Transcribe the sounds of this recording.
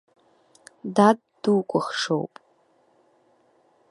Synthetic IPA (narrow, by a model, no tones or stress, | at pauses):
dad | duːkʷʼʊχʂo̰wpʼ